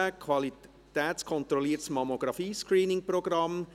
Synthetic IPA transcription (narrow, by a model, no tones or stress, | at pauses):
əkʰʋɑli | t̪ɛːskʰɔnt̪ɾɔliːətsmɑmoɡ̥ɾɑfiːskɾiːnɪŋprɔɡɾɑm